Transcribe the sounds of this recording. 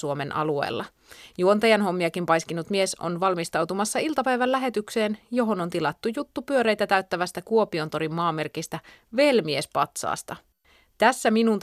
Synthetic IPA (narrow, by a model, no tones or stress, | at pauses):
uomenʔɑ̰luḛːlːɑ̰ | juont̪ejænɦo̞mːiɑkimpɑjskinut̪mie̞so̞̰nʋɑlmist̪ɑwt̪umɑsːɑilt̪ɑpæjʋælːæɦe̞t̪ykseːnjo̞ɦo̞no̞nt̪ilɑt̪ːujut̪ːupyøɾe̞jt̪æt̪æyt̪ːæʋæst̪ækuopio̞nt̪o̞ɾimːɑːmːe̞rkist̪æʋe̞lmie̞spɑt̪sɑ̰ːst̪ɑ | t̪æsːæminunt̪